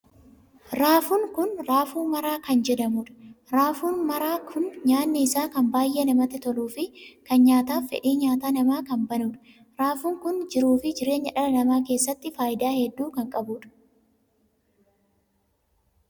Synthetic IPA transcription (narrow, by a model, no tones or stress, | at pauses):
ɾaːfuŋkʊnɾaːfuːmɐɾaːkɐnd͡ʒɛd̪ɐmuᶑɐ̥ɾaːfuːnmɐɾaːkʰʊnɲaːnːɪːsaːkɐmbaːjʔeːnɐmɐt̪ɛt̪ɔluːfɪkɐnɲaːt̪aːfɛ̰ᶑiːɲaːt̪aːnɐmaːkɐmbɐnuːᶑɐ̥ | ɾaːfuːŋkʊnd͡ʒɪɾuːfɪd͡ʒɪɾe̞ːɲːɐᶑɐlɐnɐmaːke̞ːsːɐt̪ːɪfaːʔɪd̪aːhɛd̪ːuːkɐŋkʼɐbuːᶑɐ̥